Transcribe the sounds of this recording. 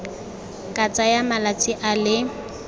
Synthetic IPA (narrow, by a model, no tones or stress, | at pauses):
kʼat͡sʼajamalat͡sʼiʔalɪ